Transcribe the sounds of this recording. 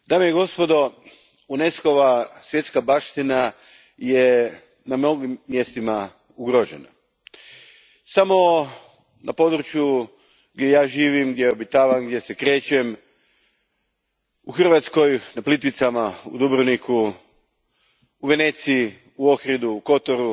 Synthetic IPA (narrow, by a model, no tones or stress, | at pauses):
d̪aːmejeɡo̞spo̞d̪o̞ | une̞sko̞ʋasʋje̞t̪skabaːʃt̪ina | je | namno̞ɡimːje̞st̪ima | uɡɾoʒḛna | samo̞ | nʔapo̞d̪ɾut͡ɕju | ɡd̪jejaːʒiːʋimɡd̪jejeobit̪aːʋanɡd̪jesekɾe̞ːt͡ɕem | uxr̩ʋat̪sko̞jnaplit̪ʋit̪samaṵd̪ubɾoniku | uʋe̞net̪sii | uo̞xɾid̪uːko̞t̪oɾu